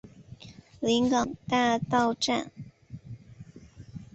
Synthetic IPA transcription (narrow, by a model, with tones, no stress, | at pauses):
li˧˥ŋkɑ˨˩ŋt̪a˥˧t̪ɑ˥˧ʊʈ͡ʂa̰˥˩n